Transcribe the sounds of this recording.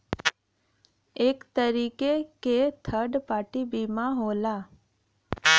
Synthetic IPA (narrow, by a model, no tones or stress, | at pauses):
eːkt̪əɾiːkeket̪ʰəɾɖpaːʈibiːmãɦoːlaː